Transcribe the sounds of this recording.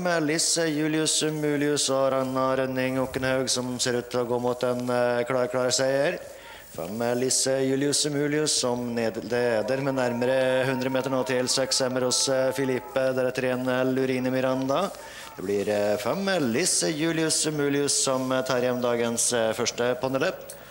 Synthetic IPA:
əlɪsəjʉːlɪʉsmʉːlɪʉsɔɾɑnːɑɾœnːɪŋuːkːənhɑʉɡsɔmseːɾʉːt̪t̪ʰːɪlɔɡoːmut̪ɛnkʰɽɑɾkʰɽɑːɾsæɪəɾ | fɛ̰mːəlɪsəjʉːlɪʉsəmʉːlɪʉsːɔmnːd̪eːd̪əɾmɛnæɾməɾəhʉnd̪ɾəmeːt̪əɳoːt̪ʰɪlsɛksɛmːəɾɔsfɪlɪpːəd̪æɖɛt̪ʰɾeːnəlʉɾiːnəmɪɾɑnd̪ɑ | d̪̥ɛblɪɾfɛmlɪsəjʉːlɪʉsmʉːlɪʉsːɔmt̪ʰɑːɾjɛnmd̪ɑːɡənsfœʂʈəpʰɑnələ

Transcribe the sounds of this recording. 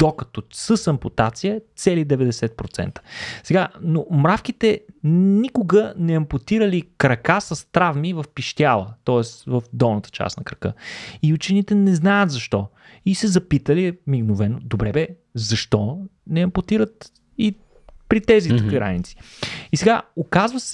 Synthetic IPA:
d̪̥okə̥t̪ɔsəsɐmpot̪at̪sijət̪sɛlid̪ɛvɛd̪ɛsɛt̪̚pɾot̪sɛ̰nt̪ə̥sɛɡanomɾafkit̪ɛnikʊɡənɛɐmpot̪iɾəlikɾɐkasɐst̪ɾavmivɐfpiʃt̪ʲjalˠət̪ɔɛst̪vəfd̪ɔlˠnət̪ə̥t͡ʃa̰snɐkɾɐkɤ̰iut͡ʃɛnit̪ɛnɛznajət̪zɐʃt̪ɔ | isɛzɐpit̪əlimiɡnʊvɛnʊd̪obɾɛbɛ | zɐʃt̪ɔnɛɐmpot̪iɾət̪ | i | pɾit̪ɛzit̪əkiɡɾa̰nit̪si̥isɛɡaokazvəs

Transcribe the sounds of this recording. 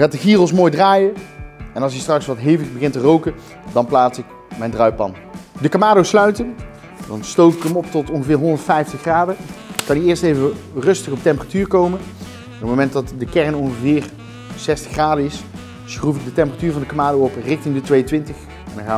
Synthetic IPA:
aːtdəɣiːrəlˠs̬moːjdraːjəɛnɑlˠs̬əstrɑksʋɑtɦejvələzbəɣɪntərowkə | dɑnplaːsɪk | mɛjndrœɥpɑ̰n | dəkamaːdowslœɥtən | dɑnstowfɪkəmɔp̚tɔtɔnɣəvɪːɹɦɔndəɹtfɛjftəχraːdəkːɑniɪːɹstejvərɵstəχɔp̚tɛmpəratyːɹkowmə | nəpmowmɛntdɑtdəkɛrnɔnχəvɪːr | sɛstə̥χraːdəɪs | sχruvɪk̚dətɛmpəratyːɹvɑndəkamaːdowɔprɪxtɪŋdətʋejəntʋɪntəχ | ɛndɑ̃nxaː

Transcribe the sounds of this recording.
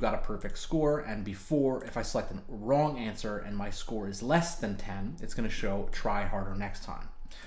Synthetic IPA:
ɡɑɾəpʰɜ˞fɪk̚tskɔɹɨ̃nbɨfɔɹɪfaɪsəlɛk̚tn̩ɹɔ̃ŋæ̃nsə˞ɨ̰̃nmaɪskɔɹɨzlɛsðɨ̃ntʰɛ̃nɨtsɡ̥ʌnɨʃoʊtʰɹ̥aɪhɑɹɾə˞nɛkstʰã̰ɪ̃m

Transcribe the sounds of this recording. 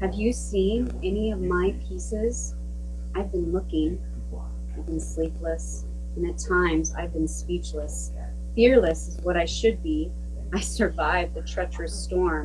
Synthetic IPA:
hɨvjɨsĩn | ɛniʌvmaɪpʰisɪz̥ | aɪvbɨ̃nlʊkɪ̃ŋ | aɪvbɨ̃nslipləs | ɨ̃nɨtʰãɪ̃mza̰ɪvbɨ̃nspit͡ʃləs | fɪɹlɨs | wʌɾaɪʃɨd̚bi | aɪsə˞vaɪvðɨtʰɹ̥ɛt͡ʃə˞ɨstɔɹm

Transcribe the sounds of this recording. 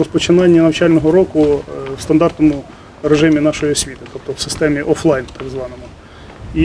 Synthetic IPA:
ɔspɔt͡ʃɪnɑnʲːɐnɐwt͡ʃɑlʲnɔɦɔɾɔkʊwst̪ɐnd̪ɑrt̪nɔmʊ | ɾeʒɪmʲinɑʃɔjiɔsʲʋʲit̪ɪ̥t̪ɔp̚t̪ɔwsɪ̥st̪ɛmʲiʔɔflˠɑjnt̪ɑɡzʋɑnɔmʊ | i

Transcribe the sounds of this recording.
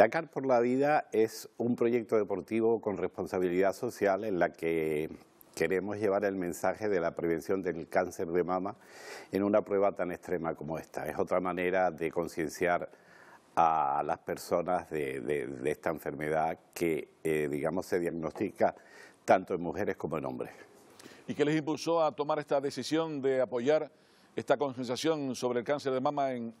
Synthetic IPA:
akaɾpo̞ɾlaβiðae̞sumpɾo̞ʝe̞k̚t̪o̞ðe̞po̞ɾt̪iβo̞ko̞nre̞spo̞nsaβiliðaso̞sjale̞nlake̞ | ke̞ɾe̞mo̞zʝe̞βaɾe̞lmẽnsaxe̞ðe̞lapɾe̞β̞e̞nsjo̞nd̪e̞lkanse̞ɾðe̞mãmaenũnapɾwe̞βat̪ane̞st̪ɾe̞mako̞moe̞st̪a̰e̞̰so̞t̪ɾamãne̞ɾaðe̞ko̞nsjẽ̞nsjaɾ | alaspe̞ɾso̞nazðeðḛðest̪aeɱfe̞ɾme̞ðake̞ðiɣamo̞sse̞ðjaɣno̞st̪ikat̪ant̪oe̞ŋmuxe̞ɾe̞hko̞moenõ̞̰mbɾe̞s | ikelesimpulso̞at̪o̞maɾe̞st̪aðe̞sisjo̞nd̪e̞apo̞ʝaɾ | est̪ako̞nsens̬jasjo̞nso̞βɾeːlkanse̞ɾðemãmaeŋ

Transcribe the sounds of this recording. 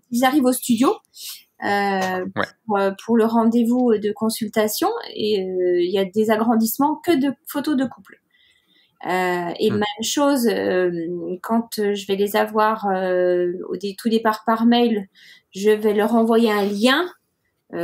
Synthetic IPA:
ilzaʁivost̪yd̪jo | ø | uʁøpʰuʁləʁɑ̃d̪evud̪əkɔ̃sylt̪asjɔ̃ḛøiljad̪ezaɡʁɑ̃d̪ismɑ̃kəd̪əfot̪od̪əkupl | øemɛmʃozø | kɑ̃t̪ʒəvɛlezavwaʁøo̰d̪et̪ud̪epaʁpaʁmɛjl | ʒəvɛlœʁɑ̃vwajeɛ̃ljɛ̃ | ø

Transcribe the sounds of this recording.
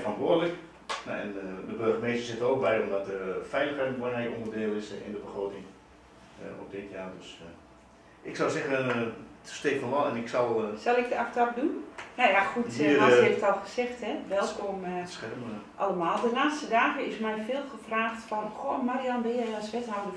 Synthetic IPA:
fəɑntʋʊədələk | na̰ɛ̰ndəbørχəmeːstərsɪtəoːk̚bɛjɔmdɔtəfɛjləxɛjtəɔnɛjkɔ̰̃ndərdɪːlˠɪsɪ̰ndəbəχroːtɪŋ | ɔ̰p̚dɪtjaːdøs | ɪksɔwsɛɣətəstɪkfɔnʋɔlˠɛnɪksɔlˠsɔlˠɪk̚dəaktɔp̚dunjajaxutiəeftɔlˠχəsɛxtɦɛʋɛlˠkɔməsxɛrəmʔɑləmaːlˠdəlaːstədaːɣəɪsmɛjfɪːlˠxəfraːxtfɔnxomaɾiɔnbɪnjɛjɑlˠsʋɛtɦawdə

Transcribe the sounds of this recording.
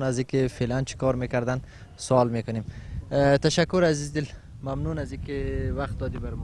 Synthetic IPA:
nazikɪfelant͡ʃʰi̥kɔɾmekaɾd̪an | sʊɔlmekʊnemt̪aʃakːʊɾazizd̪ɪl | mamnunaziːkɪwaqt̪̚d̪ɔd̪ibaɾm

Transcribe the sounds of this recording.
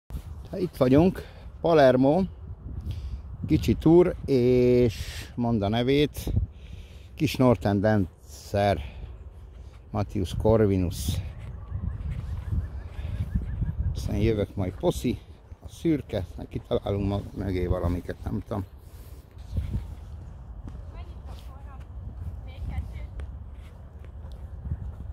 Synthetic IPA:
t̪it̪ʋɒɟuŋk | pɒlɛrmoː | kit͡ʃit̪uːɾeːʃmo̞nd̪ɒnɛveːt̪ | kiʃno̞rt̪ɛnd̪ɛn | sɛr | mɒt̪iuʃko̞rʋinus | sɛ̰njøvøkmɒjpo̞si | ɒsyrkɛsnɛ̰kkit̪ʰɒla̰ːluŋkmmøɡeːvɒlɒmikɛt̪nɛ̰mut̪om

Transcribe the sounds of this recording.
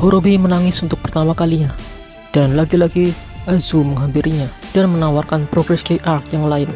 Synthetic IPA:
hoɾobimənaŋɪsunt̪ʊk̚pərt̪amakaliɲa | d̥anlaɡilaɡiʔazuməŋɦampiɾiɲad̥anmənawarkanpɾoɡɾɛskeʔart̪jaŋlaɪn

